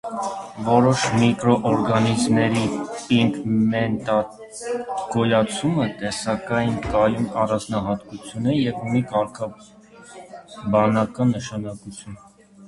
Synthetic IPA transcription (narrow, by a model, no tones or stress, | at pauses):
vɔɾɔʃmikɾɔʔɔɾɡɑnizmnɛɾipiŋkmɛnt̪ɑ | kɔjɑt͡sʰumət̪ɛsɑkɑjnkɑjumɑrɑnd͡znɑɦɑt̪kut͡sʰjunɛjɛvunikɑɾkʰɑ | bɑnɑkɑnːəʃɑnɑkut͡sʰjun